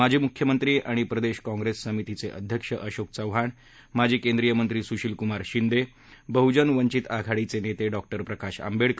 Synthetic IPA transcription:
ad͡ʑʱiːmukʰjəmənt̪ɾiːʔaɽ̃ipɾəd̪eɕkɔ̃ŋɡɾesːəmit̪it͡seʔə̰d̪ʱjəkʂəʔəɕok̚t͡səʋɦaɳ | mad͡ʑʱiːkẽnd̪ɾijəmənt̪ɾiːsuɕilkumaɾɕind̪e | bəɦud͡ʑənʋəɲt͡ɕit̪aɡʱaɽit͡senet̪eɖɔk̚ʈəɾpɾəkaɕa̰mbeɽk

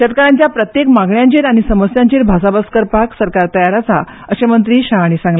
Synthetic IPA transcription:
ɕət̪̚kəɾãɲt͡ɕjapɾət̪jekmaɡɳjãɲt͡ɕiːɾaɽ̃isəməsjãɲt͡ɕiːɾbʱasabaskəɾpaksəɾkaɾt̪əjaɾat͡sa̰ | əɕemənt̪ɾiːɕaɦaɽ̃isãŋɡle

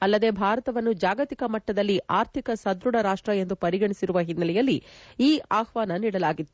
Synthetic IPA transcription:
ɐlːɐd̪e̞ːbʱaːɾɐt̪ɐʋɐnːud͡ʒaːɡɐt̪ikɐmɐʈːɐd̪ɐlːiʔaːɾt̪ʰikɐsɐd̪ɾuɽɐɾaːʂʈɾɐe̞nd̪upɐɾiɡɐɳisiɾuʋɐɦinːɐlɛjɐlːiiːaːhʋaːnɐniːɽɐlaːɡit̪ːu

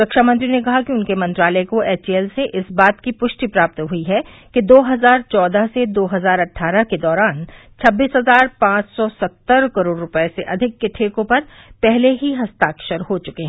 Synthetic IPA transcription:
ɾɐkʃamɐ̃nt̪ɾinekɐɦakiʊnkemɐ̃nt̪ɾaːləekoeːt͡ʃiɛlseʔɪsbaːt̪kipʊʃʈipɾaːp̚t̪ɦʊiɦɛ | ked̪oːɦɐzaːɾt͡ʃɔːd̪aɦsed̪oːɦɐzaːɾɐʈʰaːɾəked̪ɔːɾaːn | t͡ʃʰɐbːiːsɦɐzaːɾpãːt͡ʃsɔsɐt̪ːəɾkɐɾoːɖːʊpəeseʔɐd̪ʱɪkːeʈʰeːkõpɐɾ | pɛɦleɦiɦɐst̪aːkʃəɾɦot͡ʃʊkeɦɛ

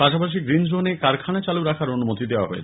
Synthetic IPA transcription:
paʃapaʃ̬iɡɾind͡ʑɾonekaɾkʰanat͡ɕaluɾakʰaɾonumot̪id̪eoa̰ɦoḛ

